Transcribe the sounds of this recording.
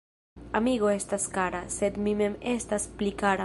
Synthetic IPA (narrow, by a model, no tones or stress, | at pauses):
amiɡo̞e̞staskaɾase̞d̪mime̞me̞stasplikaɾa